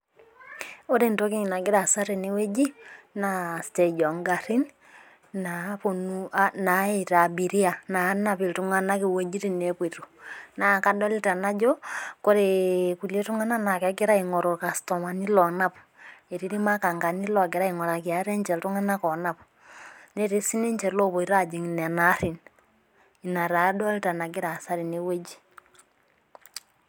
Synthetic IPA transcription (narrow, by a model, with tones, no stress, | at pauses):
o˦ɾe˦˨nto˦ki˦ɲ˨na˨ɡɪ˦ɾa˨sa˦ɾe˨ne˦we˦d͡ʒi˦na˨ste˨d͡ʒɔ˨ŋɡa˨ɾi˦n | na˨po˨nu˦a˦na˨˦e˨ɾa˨bi˨ɾi˦a˨na˨˦na˦pɪ˨ltu˨˦ŋa˦na˦kɪ˨we˦d͡ʒi˦ɾi˨ne˨pwe˨to˨na˨ka˦dɔ˦li˦ta˨na˦d͡ʒo˦ko˦ɾeku˨le˦tu˦ŋa˦na˦na˨kɛ˨ke˦ɾa˦i˨ŋɔ˨ɾo˨ka˨stɔ˨ma˨ni˦lɔ˨na˦p | e˨ɾi˦ɾi˦ma˦ka˨ŋɡa˨ni˦lɔ˨ke˨ɾa˦i˨ŋɔ˨ɾa˨kja˨˦ɾe˦ɲt͡ʃɛ˨ltu˦ŋa˦na˦kɔ˨na˦pu̥ | ne˦ɾi˦si˦ne˦ɲt͡ʃɛ˨lo˦βo˨i˨ɾa˦d͡ʒi˨ŋ˨n˨a˨na˦ɾi˨n | i˨na˨ɾa˨˦dɔ˦li˦ta˨na˨k̬i˦ɾa˨sa˦ɾi˨ne˦we˦d͡ʒi̥˦